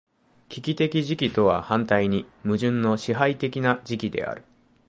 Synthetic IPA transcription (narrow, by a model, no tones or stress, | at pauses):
kʲikʲit̪e̞kʲiʑikʲit̪o̞β̞a̰hãnt̪aiɲ̟imɯ̟ʑɨ̃nːo̞ɕiɦait̪e̞kʲinad͡ʑikʲid̪e̞̰ʔa̰ɾɯ̟